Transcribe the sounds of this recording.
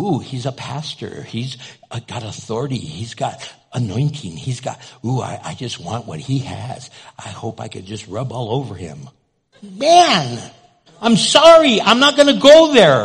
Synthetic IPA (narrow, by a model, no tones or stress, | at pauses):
uhizəpʰæstə̰˞izɡ̥ɑɾəθɔɹɨɾḭizɡɑɾ | ənɔ̃ɪ̃ntʰɪ̃ŋizɡɑ̰t̚ua̰ɪʔa̰ɪd͡ʒʌst̚wɑ̃nʔwʌ̰t̚hiɨ̰z̥ʔaɪhoʊpaɪkʰɨ̃nd͡ʒʌst̚ɹʌbɔlˠoʊvə˞ɪ̰̃m | mæ̃n | ãɪ̃msɑɹiãɪ̃mnət̚ɡ̥ʌnɨɡoʊðə˞